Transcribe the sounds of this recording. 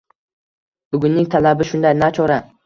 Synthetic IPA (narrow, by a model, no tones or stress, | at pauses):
bʊɡʲʊnːɪŋt̪ʰalabɪʃʊnd̪ajnat͡ʃʰɒɾa